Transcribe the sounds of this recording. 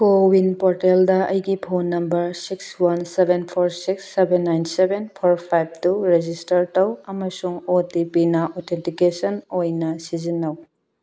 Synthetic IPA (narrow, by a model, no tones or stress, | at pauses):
kowinpoɾteldɐɐjɡipʰonːɐmbɐɾsikswansebʱenpʰoɾsiksːebenːajnsebenpʰoɾpʰajb̚tuɾed͡ʒistɐɾtɐwɐmɐsuŋotipinaʔotʰentikesɐnojnɐsizinːɐw